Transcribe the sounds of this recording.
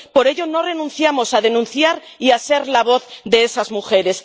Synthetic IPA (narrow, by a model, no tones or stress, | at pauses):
po̞ɾeʎo̞no̞re̞nũnθjamo̞sað̞e̞nũnθjaɾ | iase̞ɾlaβ̞o̞θðe̞esazmuxe̞ɾe̞s